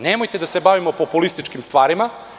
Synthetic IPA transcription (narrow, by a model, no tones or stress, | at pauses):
nemojt̪e̞d̪asebaʋimopopulist̪it͡ʃkimst̪ʋaːɾima